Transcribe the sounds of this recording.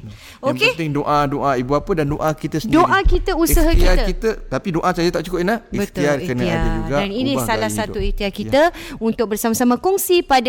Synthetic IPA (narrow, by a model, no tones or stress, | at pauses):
oket̪ɪŋdoʔadoʔaibuapədandoʔakit̪əsəəndoʔakit̪əusaɦakiakit̪ət̪apidoʔasad͡ʒət̪aʔt͡ʃukəpinlaibət̪iarkənə̃abid͡ʒuɡaaninisalahsauist̪iakit̪əunt̪ʊk̚bərsamasamãkɔŋsipad